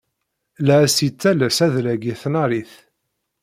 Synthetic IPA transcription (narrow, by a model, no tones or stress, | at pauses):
læsit͡sːælæsæðlæɡiθnaɾiθ